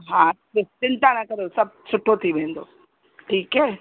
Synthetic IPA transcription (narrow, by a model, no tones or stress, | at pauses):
ɦã | ɪt͡ʃɪ̃nt̪ãnakɐɾosɐb̚sʊʈʰːot̪ʰiʋẽːn̆d̪oː | ʈʰiːkɦɛː